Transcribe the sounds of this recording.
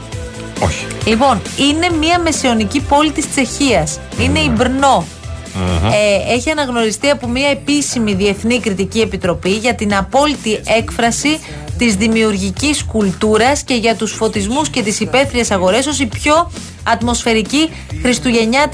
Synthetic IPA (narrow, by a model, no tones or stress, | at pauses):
oçi̥lipo̞nine̞miɐme̞sio̞nicipo̞lit̪ist͡se̞çiɐs | ine̞ibɾno̞ | e̞çiɐnɐɣno̞ɾist̪iɐpo̞miɐe̞pisimiðie̞θnikɾit̪icie̞pit̪ɾo̞piʝɐt̪inɐpo̞lit̪ie̞kfɾɐsi | t̪izðimiuɾʝiciskult̪uɾɐsce̞ʝɐt̪usfo̞t̪izmusce̞t̪isipe̞θɾie̞sɐɣo̞ɾe̞so̞sipço̞ | ɐt̪mo̞sfe̞ɾici | xɾist̪uʝe̞ɲɐ